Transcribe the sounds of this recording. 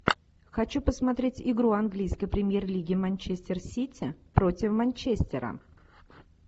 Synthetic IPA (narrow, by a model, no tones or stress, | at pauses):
xɐt͡ɕupəsmɐt̪ɾʲetʲɪɡɾuɐnɡlʲijskəjpɾʲɪmʲjerlʲiɡʲɪmɐnʲt͡ɕesʲt̪ʲɪrsʲitʲʰɪpɾo̞tʲɪfmɐnʲt͡ɕesʲtʲɪɾə̰